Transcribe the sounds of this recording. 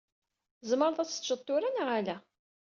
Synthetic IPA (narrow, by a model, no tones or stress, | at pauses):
zməɾˤðˤæt͡sːə̥ʒət̪ˤːʊɾænʁalæ